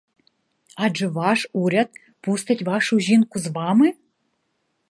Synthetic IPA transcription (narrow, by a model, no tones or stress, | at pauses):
ɑd͡ʒɨ̆vɑʂuɾʲat̪̚ | pust̪ətʲvɑʂuʑinkuzβɑmɨ